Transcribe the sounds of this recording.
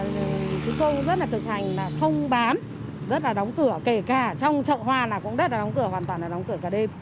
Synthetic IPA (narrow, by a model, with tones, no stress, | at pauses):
kɨ˨˦ko˧zə˦˥t̚laː˨˩t̪ʰɨ˨˩k̚hʰa˨˩jŋ̟laː˨˩xə˧wŋ͡mɓaː˨˦m | zə˦˥t̚laː˨˩ɗɔ˨˦wŋ͡mkɨ˧˩əke˧˩kaː˧˩t͡ɕɔ˧wŋ͡mt͡ɕə̰ː˧˨hwaː˧laː˨˩kʊ̰˧˥ŋ͡mzə˦˥t̚laː˨˩ɔ˨˦wŋ͡mkɨ˧˩əhwaː˨˩nt̪waː˨˩nlaː˨˩ɗɔ˨˦wŋ͡mkɨ˧˩əkaː˧˩ɗe˧m